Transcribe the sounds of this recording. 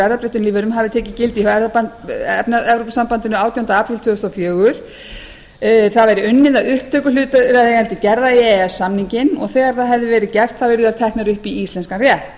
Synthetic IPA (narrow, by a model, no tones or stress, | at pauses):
ɛɾðapɾɛjht̪ʏnliːvɛɾʏmɦavɪt̪ʰɛːcɪcɪlt̪ihɛɾðapa | ɛpnaðɛvɾopsampant̪ɪnʏaːwt̪jawnt̪aaːpɾɪlt̪ʰvʏːʏst̪ɔfjœːɣʏɾ̥ | θaðvajɾɪʏnːɪðaʏhpt̪ʰœːkʏlʏːt̪aɾaeɣɛlt̪ɪcɛɾðaiɛɛsːamniɲcɪnɔɣθɛːɣaɾ̥θaðɦɛvðɪvɛːɾɪcɛr̥t̪θawvɪɾðʏaɾt̪ʰɛhknaɾʏhpiist̪lɛnskanrjɛht̪